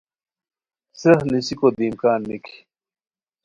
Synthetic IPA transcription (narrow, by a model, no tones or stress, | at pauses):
sehnisikod̪iːmkaːnmikʰi̥